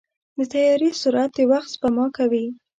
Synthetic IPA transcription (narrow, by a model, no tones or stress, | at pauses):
d̪ət̪ajɑɾisuɾat̪̚əwaxt̪spamɑkawi